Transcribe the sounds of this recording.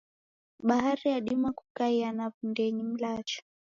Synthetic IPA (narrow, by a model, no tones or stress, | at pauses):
ɓaɦaɾijaɗimakukaianavundɛɲim̩lat͡ʃɔ̥